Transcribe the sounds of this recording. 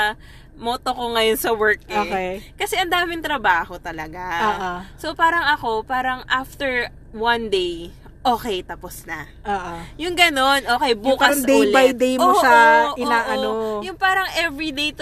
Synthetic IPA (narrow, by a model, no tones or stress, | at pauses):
moːt̪okoŋɐjonsɐwɛɹk̚oːɛkɐsɛʔɐnd̪aːmɪnt̪ɾɐbaːho̞t̪ɐlɐɡaːʔosopaːɾɐŋɐko̞paːɾɐŋʔaft̪ɛɹ | wɐnd̪ej | ʔoːkɛjt̪ɐposnɐ | ʔoːʔojʊŋɡɐno̞nʔoːkɛjbuːkɐsd̪ejːllbajd̪ejmosɐʔɪnaːʔɐojʊŋpaːɾɐŋʔɛvɹid̪ej̪